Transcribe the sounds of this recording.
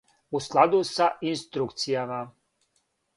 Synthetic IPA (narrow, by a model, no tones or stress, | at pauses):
usklˠad̪usaʔinst̪ɾukt̪sijama